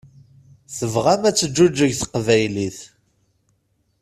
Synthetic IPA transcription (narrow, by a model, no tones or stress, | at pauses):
θəvʁæmæt͡sːəd͡ʒːud͡ʒːəʝθəqvæjliθ